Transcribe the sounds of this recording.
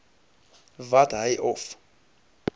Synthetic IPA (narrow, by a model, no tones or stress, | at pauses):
vadajʔɔf